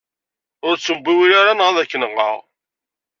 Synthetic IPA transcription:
ʊɾt͡sːəmbiwiɾaɾanʁəðækːənəʁə̰ʁ

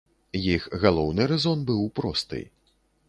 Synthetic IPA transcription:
jixɣalˠɔwnɨɾɛzɔnbɨwpɾɔst̪ɨ̰j

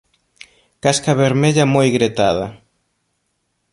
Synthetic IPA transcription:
kaskaβeɾmeʎamojɣɾet̪að̞ɐ

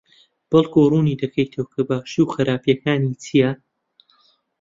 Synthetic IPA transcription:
b̥ɐlˠkʰuːruːniːd̪ɐkʰɐjt̪ʰowkʰɐbaːʃiwxɐɾʔaːpjɐkaːnit͡sʰija

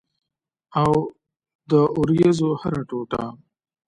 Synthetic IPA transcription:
aw | d̪əʊɾjezohaɾaʈoʈa̰

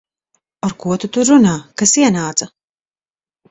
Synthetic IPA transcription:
aɾkuɔt̪ut̪uɾːunaːkasiɛnaːt̪sa

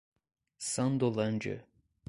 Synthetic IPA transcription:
sand̪olˠand͡ʒø̰

